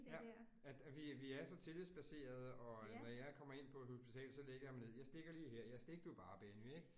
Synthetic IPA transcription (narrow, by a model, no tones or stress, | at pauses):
jæ | æd̥ʋiʋiæɐsɒ̽t͡sʰe̝lisb̥æse̝̰ːɐð̞ˠəɒ̽nɒjɑ̈ɪkʰɒ̽m̰ɐe̝n̰pʰɒho̝sb̥it͡sʰɛ̰ːlsɒ̽leɡ̥ɐjɑ̈mæne̝ð̞̰ˠjɑ̈ɪsd̥e̝ɡ̥ɐliːɦeɐ̰jɑɪsd̥e̝ɡ̥ɐd̥ub̥ɑ̈ːb̥enyeɡ̥